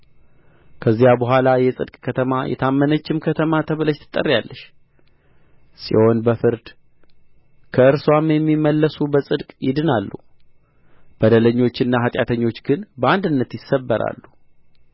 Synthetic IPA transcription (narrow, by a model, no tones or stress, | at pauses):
kʰəzːijabəɦʷalajɛsʼɨ̰d̪kʼkʰət̪ʰəmajʔɛ̰t̪ʰamːənət͡ʃːɪmkʰət̪ʰəmat̪ʰəβləʃt̪ʰɨ̥t̪ʼːə̰rːjalːəʃ | sḭho̞nbəfɨɾd̪ | kʰəɨɾswamjɛmːimːəlːəsubəsʼɨd̪kʼjɪd̪ɨnalːṵ | b̥əd̪ələɲːo̞t͡ʃːɪnːaɦat̪ʼjat̪ʰəɲːo̞t͡ʃːɡɨnbəand̪ɨnːət̪jɪsːəbːəɾa̰lːu